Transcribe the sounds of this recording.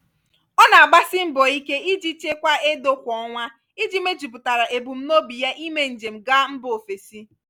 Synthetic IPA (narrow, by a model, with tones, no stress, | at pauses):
ɔ˦na˨a˨ɡ͡ba˦sɪ˦m̩˦bo˨i˦ke˦i˦d͡ʒi˦t͡ʃe˦kʷa˦e˦do˦kʷɔ˨˦ŋʷa˦ | i˦d͡ʒi˦me˦d͡ʒi˨p̬ʊ˨ta˨ɾa˨ʔe˨bu˨m̩˦no˦bi˨ja˦ʔi˦me˦n̩˨d͡ʒe˨m̩˨ɡa˦m̩˦bo˨fe˨si˦